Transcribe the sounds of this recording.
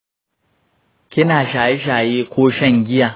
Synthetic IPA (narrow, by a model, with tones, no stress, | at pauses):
kʲɪ˦naː˨ʃaː˨ji˦ʃ̬aː˨jeː˦kʷoː˦ʃɐ˦˨ŋɡʲɪ˦jaː˨